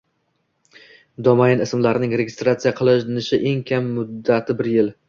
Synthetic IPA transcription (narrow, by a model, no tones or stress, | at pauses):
d̪ɒmaɪnɪsmlaɾnɪŋɾe̞ɡʲɪst̪ɾat̪sijaqʰɨlˠɪnɪʃɪʔe̞ŋkʲʰamːʊd̪ːat̪ʰɪbɪɾjɪl